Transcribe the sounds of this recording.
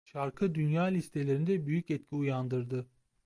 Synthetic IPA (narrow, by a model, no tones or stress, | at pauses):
ʃaɾkʰɯd̪ynjaːlʲist̪ʰe̞lʲe̞ɾind̪ɛbyjycɛt̪̚cʲʰiujand̪ɯɾd̪ɯ